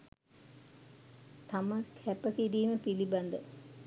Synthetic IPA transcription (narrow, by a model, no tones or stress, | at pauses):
t̪aməkʰæpəkiɾiːməpiliband̪ə